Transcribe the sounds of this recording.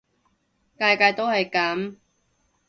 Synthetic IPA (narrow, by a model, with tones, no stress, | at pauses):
kaː˧jkaː˧jt̪o˥whɐ˨jkɐ˨˥m